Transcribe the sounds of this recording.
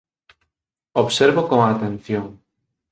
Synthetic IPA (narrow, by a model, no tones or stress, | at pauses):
oβseɾβokoŋaːt̪ẽn̟θjoŋ